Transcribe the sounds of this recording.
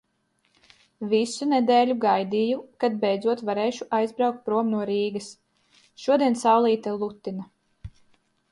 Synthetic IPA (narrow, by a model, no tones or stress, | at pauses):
visunɛd̪ɛːlʲuɡajd̪ijukad̪̚bɛjd̪zuɔt̪vaɾeːʃuʔajzbɾawk̚t̪̚pɾuɔmnuɔɾiːɡɐs | ʃuɔd̪iɛnsawlˠiːt̪alˠut̪ːina